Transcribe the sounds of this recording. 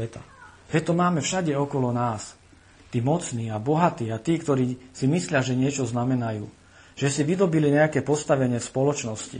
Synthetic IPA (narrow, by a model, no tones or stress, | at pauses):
ɛt̪a̰ | ɛt̪ɔmaːmɛfʃaɟɛɔkɔlɔnaːs | t̪iːmɔt͡sniːabɔɦat̪iːat̪iːkt̪ɔɾiːsimislɪaʒɛɲɪɛt͡ʃɔznamɛnajṵː | ʒ̥ɛsiʋid̪ɔbiliɲɛakɛːpɔst̪aʋɛɲɪɛfspɔlɔt͡ʃnɔscḭ